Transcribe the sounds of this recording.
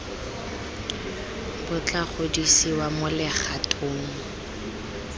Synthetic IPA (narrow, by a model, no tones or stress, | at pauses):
b̥ʊt͡ɬʼaχʊdisiwamʊlɪχatʼʊːŋ̩